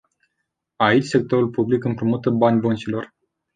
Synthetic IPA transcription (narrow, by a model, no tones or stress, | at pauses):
ait͡ʃʲse̞k̚t̪o̞ɾulpublikɨmpɾumut̪əbanʲbənt͡ʃilo̞r